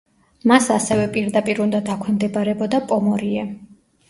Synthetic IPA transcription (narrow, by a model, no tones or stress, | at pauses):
masasɛvɛpʼiɾd̪apʼiɾund̪ad̪akʷʰɛmd̪ɛbaɾɛbɔd̪apʼɔmɔɾiɛ